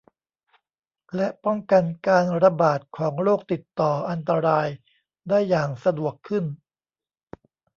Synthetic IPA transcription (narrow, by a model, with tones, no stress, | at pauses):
lɛ˦˥ʔpɔ˥˩ŋka˧nkaː˧nɾa˧baː˨˩t̪̚kʰɔː˩˦ŋɾoː˥˩k̚t̪i˨˩t̪ːɔː˨˩ʔa˧nt̪a˧ɾaː˧j | daː˥˩jːaː˨˩ŋsa˧du˨˩əkʰːɯ˥˩n